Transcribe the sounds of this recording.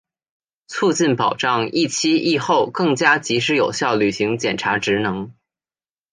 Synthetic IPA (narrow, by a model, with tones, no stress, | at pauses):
t͡sʰu˥˧t͡ɕi˥˩npɑ˨˩ʊʈ͡ʂɑ˥˧ŋi˥˩t͡ɕʰi˥i˥˧xo˥˧ʊkɤ˥˩ŋt͡ɕja˥t͡ɕi˧˥ʂ̬ɻ̩˧˥jo˨˩ʊɕjɑ˥˩ʊly˨˩ɕi˧˥ŋt͡ɕjɛ˨˩nʈ͡ʂʰa˧˥ʈ͡ʂɻ̩˧˥nɤ˧˥ŋ